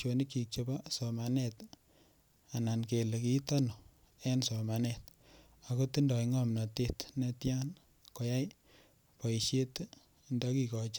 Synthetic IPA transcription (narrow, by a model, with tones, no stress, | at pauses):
t͡ʃo˨ni˦ki˨k̚t͡ʃeba˦sɔ˨manɛ˦t | a˨na˨nke˨le˨ki˦ta˦no˨ | ɛ˦nso˨ma˨nɛt̚ | a˨ko˦ti˦ndɔ˨iŋɔmna˨te˦tnɛtja˦n | ko˨ja˦j | pɔ˨iʃje˦t | ndɔ˦ki˨kɔ˨t͡ʃa˦